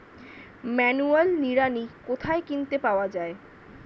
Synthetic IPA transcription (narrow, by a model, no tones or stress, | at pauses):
mɛnualniɾanikot̪ʰaekint̪epaoad͡ʑae